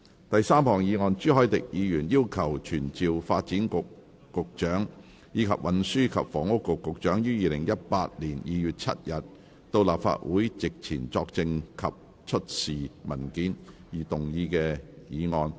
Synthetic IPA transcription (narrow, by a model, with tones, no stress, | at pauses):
t̪ɐ˨jsaː˥mhɔː˨˩ŋjiː˨˧ŋɔː˧nt͡ʃyː˥ɦɔː˨˥jt̪ɪ˨k̚jiː˨˧jyː˨˩njiː˥wkʰɐ˨˩wt͡ʃʰyː˨˩nt͡siː˨wfaː˧t̚t͡siː˨˥nkʊ˨ | kʊ˨k̚t͡ʃœː˨˥ŋ | jiː˨˧kʰɐ˨p̚wʔɐ˨nsyː˥kʰɐ˨p̚fɔː˨˩ŋʊ˥kːʊ˨kːʊ˨k̚t͡ʃœː˨˥ŋjyː˥jiː˨lɪ˨˩ŋjɐ˥t̚paː˧t̚liː˨˩njiː˨jyː˨t̚t͡sʰɐ̰˥t̚jɐ˨t̚ | t̪o˧wlaː˨p̚fa̰ː˧t̚wuː˨˥jt͡sɪ˨k̚t͡sʰiː˨˩nt͡sɔː˧k̚t͡sɪ˧ŋkʰɐ˨p̚ | t͡ʃʰɵ˥t̚siː˨mɐ˨˩nkiː˨˥njiː˨˩t̪ʊ˨˩ŋjiː˧kɛː˧jiː˨˧ŋɔː˧n